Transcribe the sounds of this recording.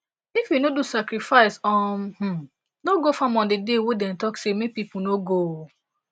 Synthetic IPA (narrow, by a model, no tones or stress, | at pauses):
ifjunodusakɾifaɪsɔmh̩ | noɡofãmɔ̃ndedewedɛ̃mtɔksemepipunoɡo